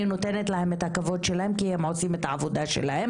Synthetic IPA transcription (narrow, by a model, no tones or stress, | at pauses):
ino̞t̪enet̪lahe̞met̪hakavo̞d̪ʃelahe̞mkihemʕo̞t͡simet̪aavod̪aʃḛlahe̞m